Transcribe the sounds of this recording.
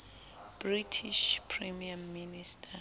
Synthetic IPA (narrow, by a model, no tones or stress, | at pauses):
b̥ritʰiʃpʰrɛmiamːinistʰʼa